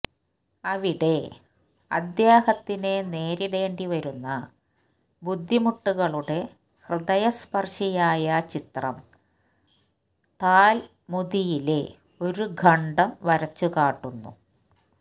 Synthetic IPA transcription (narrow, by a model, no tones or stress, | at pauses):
ɐʋiɽe̞ | ɐ̰d̪jaːhɐt̪ːinene̞ːɾiɽe̞ːɳɖiʋɐɾunːɐ | bud̪ʱːimuʈːuɣɐɭuɽe̞ | hrɨd̪ɐjɐspɐrɕɐjaːjɐt͡ɕit̪rɐ̰m | t̪aːl | mud̪ijile | o̞ɾuɡʱɐɳɖɐmʋɐɾɐt͡ɕːukaːʈːunːṵ